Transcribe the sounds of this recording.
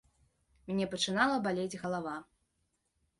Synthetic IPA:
mʲnʲɛpɐt͡ʂɨnalˠɐbalʲed͡zʲɣɐlˠava

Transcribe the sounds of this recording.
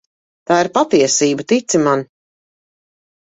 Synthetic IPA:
t̪aːiɾpat̪iɛsiːbat̪it̪siman

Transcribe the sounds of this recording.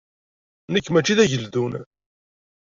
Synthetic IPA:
nəkːmæt͡ʃːiðæʝəld̪un

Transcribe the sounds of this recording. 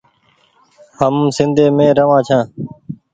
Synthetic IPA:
həmsɪ̃nd̪ʱeːmẽːɾəʋãːt͡ʃʰãː

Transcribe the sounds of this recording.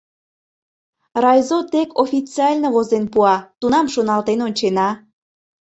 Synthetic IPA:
rɑjzot̪ekʰofʲit͡siɑlʲnoβozenpuɑt̪unɑmʃonɑlt̪enonʲt͡ɕenɑ

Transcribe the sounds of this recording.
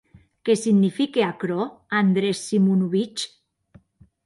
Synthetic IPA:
kesiɣnifikeakɾoand̪ɾesːimunuβit͡ʃ

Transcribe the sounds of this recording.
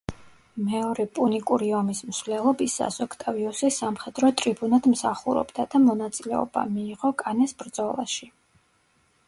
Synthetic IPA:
mɛɔɾɛpʼunikʼuɾiɔmismsvlɛlˠɔbisa̰sɔkʰt̪ʼaviusisamχɛd̪ɾɔt̪ʼɾibunad̪msaχuɾɔ̰bd̪ad̪amɔnat̪sʼilɛ̰ɔ̰ba̰miːʁɔkʼanɛsbɾd̪zɔlˠa̰ʃi

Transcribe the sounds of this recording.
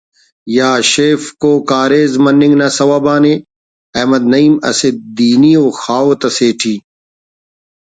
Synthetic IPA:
jaːɕeːfkoːkaːɾeːzmɐnːĩŋɡnɐsɐwabaːne | ɐmɐd̪nɐiːmɐ̰sed̪̚d̪iːniːoːxaːot̪ɐseːʈʰiː

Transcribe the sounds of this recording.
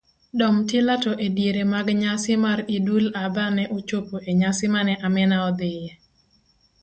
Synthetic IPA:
dɔmtelatɔʔedjeɾemaɡɲasɪmaɾidulabanɛʔot͡ʃopoʔeɲasɪmanɛʔamɛnaɔd̪ɪjɛ

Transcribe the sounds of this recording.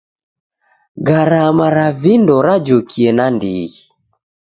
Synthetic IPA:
ɡaɾamaɾavindɔɾad͡ʒokʰiɛnandḭɣi

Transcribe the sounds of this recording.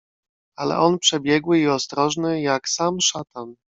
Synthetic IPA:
alɛ̰ʔɔnpʂɛbʲjɛɡwɘiɔst̪ɾɔʐnɘjaksamʂat̪an

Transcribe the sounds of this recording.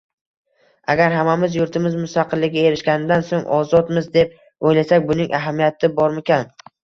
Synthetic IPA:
a̰ɡʲaɾɦamamɪzjʊɾt̪ʰɪmɪzmʊst̪aqʰɨlːɪɡʲaeɾɪʃɡʲanɪd̪ansoŋɒzɒt̪mɪzd̪e̞p̚ | ojlasak̚ʲbʊnɪŋʔaɦamijat̪ʰɪbɒɾmɪkʲan

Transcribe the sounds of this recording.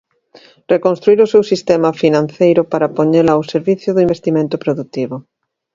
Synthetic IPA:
rekõnst̪ɾuiɾosewsist̪emafinãn̟θejɾʊpaɾapoɲelaːwseɾβiθjʊðʊĩmbest̪imẽnt̪ʊpɾoðut̪iβʊ

